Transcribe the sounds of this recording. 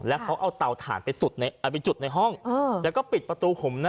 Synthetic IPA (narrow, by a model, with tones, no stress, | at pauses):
lɛ˦˥wkʰa˦˥wʔa˧wt̪a˨˩wt̪ʰa̰ː˩˦npa˧jsu˨˩t̪̚na˧jʔa˨˩pa˧jt͡ɕu˨˩na˧jɦɔ˥˩ŋɤː˧ɛː˨˦˩kɔː˥˩pi˨˩t̪̚pɾa˧t̪uː˧pʰo˩˦mna˦